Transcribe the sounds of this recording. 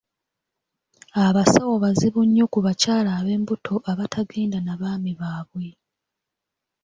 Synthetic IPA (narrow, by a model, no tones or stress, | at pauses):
aβasawoβaziβuɲːo̞kuβacaːlaːβe̞ːmbutʰo̞ʔaβatʰaɡeːndanaβaːmiβaːβwe̞